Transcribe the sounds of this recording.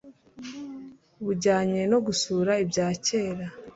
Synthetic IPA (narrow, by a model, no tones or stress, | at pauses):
uβuɾɟaːɲe̞no̞ɡusuːɾaibɟaːce̞ːɾa